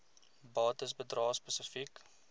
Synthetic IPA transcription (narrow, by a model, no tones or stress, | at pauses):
bɑːtəsbədrɑːspəsəfik